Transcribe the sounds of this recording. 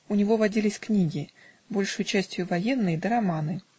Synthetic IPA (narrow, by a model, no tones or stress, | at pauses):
unʲɪvo̞vɐdʲilʲɪsʲknʲiɡʲɪ | bo̞lʲʂɨjʊt͡ɕæsʲtʲjʊvɐjenːɨjəd̪əɾɐmanɨ